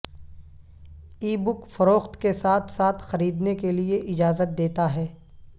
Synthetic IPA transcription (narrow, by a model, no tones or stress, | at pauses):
iːbʊkfɐɾoːxt̪kesaːt̪ʰsaːt̪ʰxɐɾiːd̪nekelieʔɪd͡ʒaːzət̪̚d̪eːt̪aɦɛː